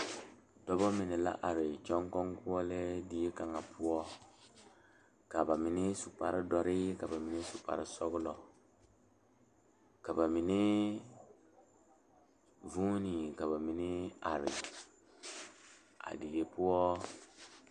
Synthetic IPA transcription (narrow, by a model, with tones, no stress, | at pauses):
dɔ˦bɔ˦mɪ˨nɪ˨la̰˦ʔa˨ɾɪ˨t͡ʃɔ˦ŋkɔ˦ŋku˦ɔ˦le˦di˦e˦ka˨ŋa˨pu˦ɔ˦ | ka˨ba˨mi˨nɪ˦su˨pa˨ɾɪ˦dɔ˦ɾɪ˦ka˨ba˨mi˨ni˦su˨pa̰˨ɾɪ˦sɔ˦ɣʊ˦lɔ˨ | ka˨ba˨mi˨nɪ˦ | vu˦ni˨ka˨ba˨mi˨nɪ˦a˨ɾɪ̰˨ | a̰˨di˨le˦pu˦ɔ˦